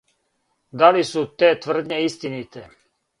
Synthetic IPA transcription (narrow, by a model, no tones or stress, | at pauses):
d̪alisut̪eːt̪ʋəɾd̪ɲeist̪init̪e